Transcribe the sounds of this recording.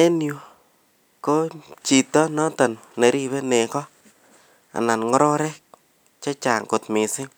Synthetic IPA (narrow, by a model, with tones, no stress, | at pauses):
ɛ˦njo˨ | ko˦t͡ʃi˨tɔ˦nɔ˦ta˨n | ne˨ɾi˦βɛ˦nɛ˨kɔ˦ | a̰˨na˨nŋɔ˦ɾɔ˦ɾɛ˦k̚ | t͡ʃa˦t͡ʃa˨ŋkʊ˨tmɪ˨sɪ˦